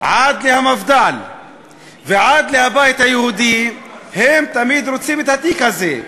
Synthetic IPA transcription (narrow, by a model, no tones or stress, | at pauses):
ʕad̪lehamavd̪al | veʕad̪lehabajit̪hajehud̪ihemt̪amid̪ɾot͡simet̪hat̪ikhaze